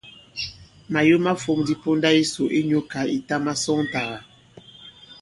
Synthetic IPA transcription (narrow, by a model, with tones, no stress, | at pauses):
ma˨jo˦ma˦fo˨˦ŋdi˦po˦nda˦i˦so˨ʔe˦ɲo˦ka˨i˨ta˦ma˦sɔ˦ŋ˦ta˨ɣa˨